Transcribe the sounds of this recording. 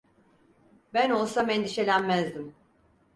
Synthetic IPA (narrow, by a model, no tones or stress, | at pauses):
bæno̞lˠsamɛnd̪iʃe̞lʲænmæzd̪im